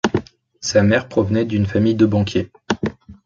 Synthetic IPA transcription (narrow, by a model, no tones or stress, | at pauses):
samɛʁpχɔvnɛd̪ynfamijd̪əbɑ̃kʲje